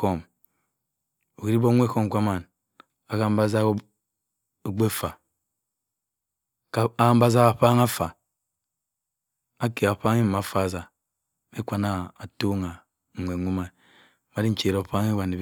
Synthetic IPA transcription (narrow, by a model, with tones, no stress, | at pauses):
o˦m | o˨ki˨ɾi˦bo˦ŋʷ˦e˦ko˦m˨kʷa˦ma˨n | a˨ka˦m̩˦ba˦za˦ | o˨ɡ͡be˦˨fa˨ | ka˨a˦a˦m̩˦ba˦za˦a˨ɸa˦ŋa˦fa˨ | a˦ke˨a˨ɸa˦ŋi˦m˨ma˨fa˦˨za˨ | me˦kʷa˦na˦a˨to˦ŋa˨ | ŋ̩ʷ˨e˨ŋʷu˦ma˨ | ma˦di˦n̩˦t͡ʃe˨ɾo˨pa˦ŋi˦βa˨ne˨